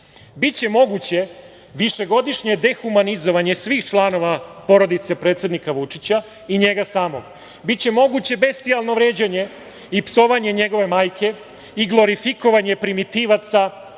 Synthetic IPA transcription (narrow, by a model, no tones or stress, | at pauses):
bit͡ɕe̞mo̞ɡut͡ɕe̞ | ʋiʃe̞ɡo̞d̪iʃɲe̞d̪e̞xumanizo̞ʋaɲe̞sʋiːxt͡ʃlˠano̞ʋapo̞ɾo̞d̪it̪se̞pɾet̪sje̞d̪nikaʋut͡ʂit͡ɕa | iɲe̞ɡasaːmo̰ɡ | bitt͡ɕe̞mo̞ɡut͡ɕe̞be̞st̪ialˠno̞ʋɾeːd͡ʑaɲe̞ | ipso̞ʋaɲe̞ɲe̞ɡo̞ʋe̞maːjkʰe̞ | iɡlˠo̞ɾifiko̞ʋaɲe̞pɾimit̪iʋat̪sa